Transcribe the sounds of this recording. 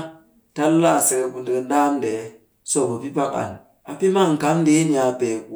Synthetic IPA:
ta˦lla˦˨sɛ˨ɡbu˨ndə˦˨n̩˦da˦m˦dɛ˨˦ | sɔ˦˨bə˨pi˦pa˦ka̰˨n | a˨pi˦ma˦˨ŋ̩˨ka˨˦mde˦ni˨a˨pɛ˨k

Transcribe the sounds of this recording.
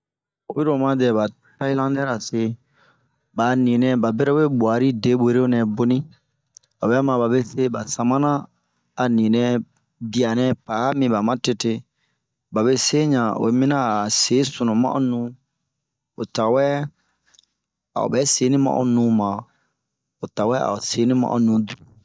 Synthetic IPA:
o˨bi˦ɾo˨mã˧˦dɛ˨ba˨ | ta˦i˦lã˦ndɛ˦ɾa˨se˦ | ba˨nĩ˨nɛ̃˦ba˨be˦ɾɛ˦e˦bwa˨ɾi˦de˦be˨ɾe˦o˦nɛ̃˨bo˦nĩ˦ | ba˨bɛ˨˦mã˨ba˨be˦se˦ba˨sã˨mã˦nã˦ | a˨nĩ˨nɛ̃˧ | bi˨a˨nɛ̃˦paː˨˦mĩ˧ba˨mã˦te˧te˧ | ba˨βe˦se˦ɲã˨o̰˨˦mĩ˦nã˦˨se˨˦su˨nũ˨mã̰˦ʔo̰˨˦nũ˦ | o˨ta˨wɛ˦ | a̰˨o̰˨bɛ˨˦se˨˦nĩ˦mã̰˦ʔo̰˦nũ˨˦mã˨ | o˨ta˨wɛ˦a̰˨o˨se˨˦nĩ˦mã̰˨ʔo̰˨˦nũ˨˦du˨

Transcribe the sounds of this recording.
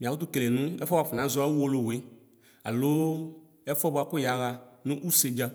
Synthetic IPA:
mĩ˨a˨u˦t̪̬u˦ke˨le˨nũ˦ɛ˦fɔ˦ba˨fu˨nã˨˦zʊ˦a˦wo˦lo˦˨we˨˦ | a̰˨lo˦ | ɛ˦fɔ˦ba˧˨kʊ˦ja˨˦ɣa˧nũ˦ʔu˦se˨d͡ʒa˦

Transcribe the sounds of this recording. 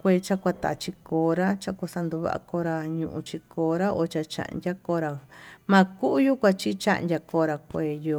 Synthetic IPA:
kʷe˧t͡ʃa˦kʷa˧t̪a̰˨ʔt͡ʃi˧koː˨˦ɾa˦t͡ʃa˧kʷa˧sa˧nd̪u˧βa̰˧ʔa̰˧ko˧˦ɾa˧ɲũ˧ʔṵ̃˧t͡ʃi˧koː˧˦ɾa˦o˧t͡ʃa˧t͡ʃã̰˧˨ʔndʲa˦ko˧˦ɾa˧mã˧ku˦ʔju˦kʷa˧t͡ʃi˦t͡ʃa̰˦ʔndʲa˧koː˧˦ɾa˧kʷeː˨jo˧

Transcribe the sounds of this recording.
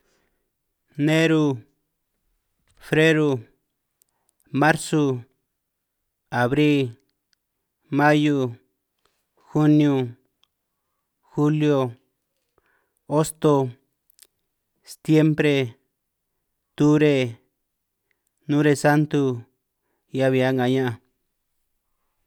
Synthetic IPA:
nẽ˦ɾu˧ | fɾe˦ɾu˧ | mã˦ɾsu˧ | a˨βɾi˦ | mã˦ju˧ | xu˦njũ˧ | xu˦ljo˧ | o˦st̪o˧ | st̪je˦mpɾe˧ | t̪u˦ɾe˧ | nũ˦ɾe˧sa˦nt̪u˧ | ja˦βi˨˧a˦ŋɡa˨ɲã˦ʔã˧

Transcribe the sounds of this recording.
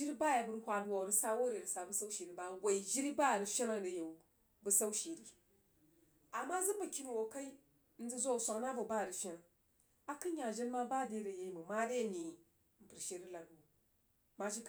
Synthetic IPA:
d͡ʒi˦ɾba˦ja˨bu˦ɾhʷa˨du˦wa˨ɾi˦sa˦wo˦ɾe˨ɾi˨sa˨bu˦sa˦u˦ʃe˨ɾi˦ba˦wa˨i˨d͡ʒi˦ɾi˦ba˦˨ɾi˨ʃi˦na˦˨ɾi˨je˨ | bə˦sa˦u˦ʃe˨ɾi˦ | a˨mːa˦zi˦ba˨ki˦ni˨wo˨ka˦i˦ | n̩˦zi˦zo˦˨sʷa˨ŋ˦na˦vo˨ba˦˨ɾi˨ʃi˦na˨ | a˦kɨ˦ɲa˨d͡ʒe˦n˦ma˦ba˦de˦ɾə˨je˨i˦mu˨ma˦de˦˨ni˨ | m̩˨pɨ˨ɾʃe˦ɾi˦la˨ɡu˨ | ma˦ʃi˦k

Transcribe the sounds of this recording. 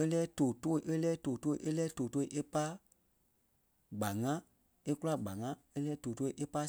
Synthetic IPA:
e˦lɛː˦toː˨toː˦˨i˨ʔe˦lɛː˦toː˨toː˦˨ʔe˦lɛː˦toː˨toː˦i˨ʔe˦pa˦ | ɡ͡ba˨ŋã˦ | e˦ku˦la˦ɡ͡ba˨ŋã˦ | e˦lɛː˦toː˨to˦i˨ʔe˦pa˦

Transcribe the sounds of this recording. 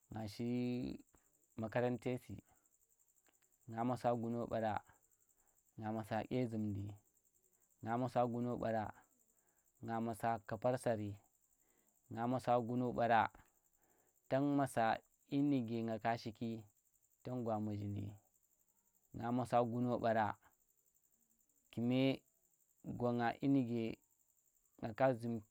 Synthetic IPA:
ŋɡa˨ʃi˦ | ma˨ka˦ɾa˦nte˦sḭ˨ | ŋa˨ma˨sa˦ɡu˦no˦ɓa̰˨ɾa˦ | ŋa˨ma˨sa˨kʲe˦zi˨mdi˨ | ŋa˨ma˨sa˦ɡu˦no˦ɓa̰˨ɾa˦ | ŋɡa˨ma˨sa˦ka˨pa˦ɾsa˨ɾi˨ | ŋa˨ma˨sa˦ɡu˦no˦ɓa˨ɾa˦ | ta˦nma˨sa˨ | i˦ni˨ɡe˨ŋɡa˨ka˦ʃi˦ki˦ | to˦nɡʷa˨ma˨d͡ʒi˨ndḭ˨ | ŋa˨ma˨sa˦ɡu˦no˦ɓa˨ɾa˦ | ki˨me˦ | ɡo˨ŋa˨ʔi˦ni˨ɡe˨ | ŋɡa˨ka˦zi˨m

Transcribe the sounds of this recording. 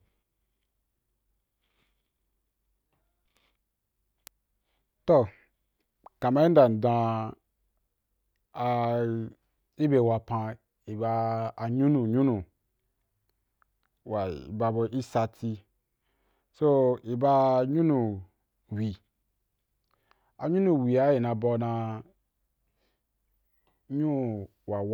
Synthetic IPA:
to˦˨ | ka˨ma˦i˦n˦da˨n̩˨dã˧ | a˧ | i˦be˨wa˧pã˧ | i˨ba˧a˨ɲũ˦nu˨ɲũ˦nu˨ | wa˨ḭ˨ba˧bo˧ʔi˦sa˧tʰi˧ | so˦i˨ba˧˨ɲũ˦nũ˨ | wi˨ | a˨ɲũ˦nũ˨wi˨a˨˦ji˨na˧bɔ˧nã˧ | ɲũ˦ | wa˨

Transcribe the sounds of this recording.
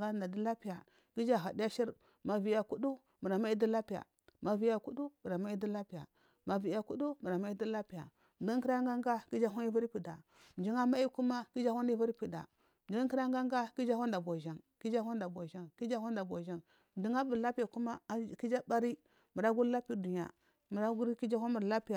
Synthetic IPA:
ɡa˦˨nda˨di˦la˦pi˨ja˨ | ki˦d͡ʒa˦˨ɦa˨di˦ja˦ʃi˦ɾ | ma˨vi˨ja˨ku˦du˦ | mu˨ɾa˨ma˦i˦di˦la˦pi˨ja̰˨ | ma˨vi˨ja˨ku˦du˦mu˨ɾa˨ma˦i˦di˦la˦pi˨ja̰˨ | ma˨vi˨ja˨ku˦du˦mu˨ɾa˨ma˦i˦di˦la˦pi˨ja̰˨ | m˨di˦ŋ˦ki˦ɾa˦ŋɡa˦ŋɡa˦ki˦d͡ʒa˦ɦu˦n˦i˦vu˦ɾpi˨da˨ | m˨d͡ʒi˦ŋa˦ma˦i˦ku˦ma˦ki˦d͡ʒa˦hu˦ni˦vu˦ɾpi˨da̰˨ | m˨di˦ki˦ɾa˦ŋɡa˦ŋ˦ɡa˦ki˦d͡ʒa˦ha˦n˦da˨bo˨ʒa˨ŋki˦d͡ʒa˦ha˦n˦da˨bo˨ʒa˦ŋki˦d͡ʒa˦ha˦nda˨bo˨ʒa˦ŋ | m˨di˦ŋa˦bu˨la˦pi˦ja˨ku˦ma˦˨ki˦d͡ʒa˦ba˦ɾi˦ | mu˨ɾa˦ɡu˦ɾla˦pi˦˨du˨ɲa̰˨ | m˨ɾɡu˦ki˦d͡ʒa˦hʷa˦mu˨ɾla˦pi˦ja˨

